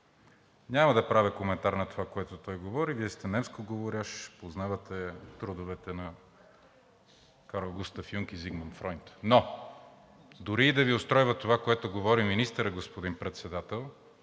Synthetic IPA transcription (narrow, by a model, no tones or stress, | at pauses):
ɲʲamɐd̪ɐpɾavʲəkomɛnt̪aɾnɐt̪ovakoɛt̪ot̪ɔjɡovɔɾiviɛst̪ɛnɛmskoɡovoɾʲaʃpoznavɐt̪ɛt̪ɾud̪ovɛt̪ɛnɐ | kaɾolˠɡust̪ɐfjuŋk̟iziɡmɐnt̪fɾɔjnt̪no | d̪ʊɾiːd̪ɐviost̪ɾɔjvɐt̪ovakoɛt̪oɡovɔɾiminist̪əɾəɡospod̪inpɾɛt̪sɛd̪at̪ɛlˠ